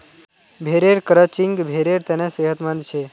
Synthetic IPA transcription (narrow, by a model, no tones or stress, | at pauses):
bʱeɾeɾkəɾət͡ʃiŋɡbʱeɾeɾt̪eneseɦət̪mə̃nd̪t͡ʃʰe